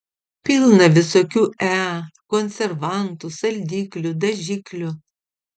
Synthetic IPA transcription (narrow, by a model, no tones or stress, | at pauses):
pʲɪlˠnɐʋʲɪsoːkʲuːʔæːkɔnʲsʲɛɾʋɐnt̪usɐlʲd̪ʲiːklʲʊd̪ɐʒʲɪklʲʊ